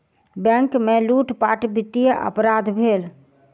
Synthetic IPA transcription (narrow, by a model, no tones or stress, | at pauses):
bɛ̃ŋkmeluʈpaʈbit̪ːijəʔə̰pɾad̪ʱbʱeːl